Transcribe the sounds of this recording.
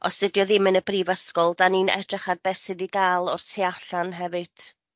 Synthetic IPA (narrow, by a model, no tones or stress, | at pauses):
ɔ̰sðədjɔðɪmənəbriːvaskɔlˠdaniːnɛ̰drɪχarbɛsɪðiɡaːlˠɔrtʰeaɬanɦɛvɨd̥